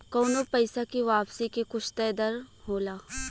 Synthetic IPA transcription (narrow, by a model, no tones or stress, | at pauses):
kɔːnopɛɪsakiʋaːpsikekʊt͡ʃʰt̪ɛːd̪əɾɦoːlaː